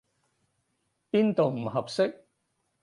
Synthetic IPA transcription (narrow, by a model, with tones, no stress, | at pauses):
piː˥nt̪o˨wm̩˨˩ɦɐ˨p̚sɪ˥k̚